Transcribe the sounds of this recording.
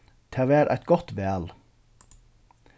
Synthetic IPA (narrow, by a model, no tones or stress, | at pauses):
t̪ʰeːʋæːɾʔæ̰ɪt̪ɡɔt̪beæl